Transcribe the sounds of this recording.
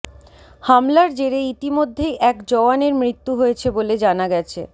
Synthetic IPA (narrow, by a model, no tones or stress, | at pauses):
hamlaɾd͡ʑeɾeit̪imod̪ʱːejʔɛkd͡ʑɔaneɾmɾit̪ːuɦoet͡ɕʰeboled͡ʑanaɡɛt͡ɕʰḛ